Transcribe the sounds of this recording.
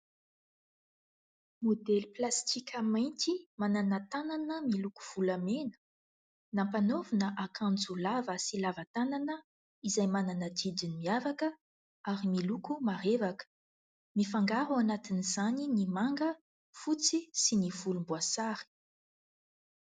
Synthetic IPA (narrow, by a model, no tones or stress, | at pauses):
mod̪ɛlplast̪ikʲəmajnt̪imananət̪ananəmiluku̥v̥ulamenə̥ | nampanovnəʔakʰãnd͡zulavəsilavat̪ananə | izajmananəd̪id̪inimiavakə | aɾimilukumaɾevakə̥ | mifaŋɡaɾuanat̪inizaninimaŋɡə | fut͡sisiniv̥ulumbuasaɾi̥